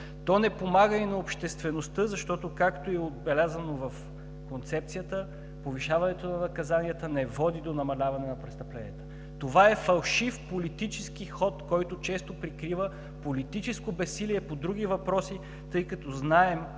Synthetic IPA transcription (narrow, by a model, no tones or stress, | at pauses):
t̪ɔnɛpomaɡəinɐopʃt̪ɛst̪vɛnost̪ɤzɐʃt̪ɔt̪okakt̪oɛod̪̚bɛlʲazənovɐf | kont̪sɛpt̪sijət̪ə | poviʃavɐnɛt̪onɐnɐkɐzanijət̪ənɛvɔd̪id̪onɐmɐlʲavɐnɛnɐpɾɛst̪ɐplɛnijət̪ə̥ | t̪ovaɛfɐlˠʃifpolit̪it͡ʃɛskixɔt̪kɔjt̪ot͡ʃɛst̪opɾikɾivə | polit̪it͡ʃɛskobɛsiliɛpod̪ɾuɡ̟ʲivɐpɾɔsi | t̪ɤjkɐt̪ɔznaɛm